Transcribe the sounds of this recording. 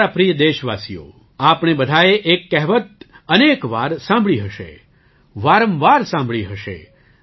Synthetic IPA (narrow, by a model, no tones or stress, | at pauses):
apɾijəd̪eʃʋasijo̰ | apɳ̃ebəd̪ʱaeʔekːɛɦʋət̪̚ | ənekʋa̰ɾsãmbʱɭiɦəʃḛ | ʋaɾə̃mʋaɾsãmbʱɭiɦəʃḛ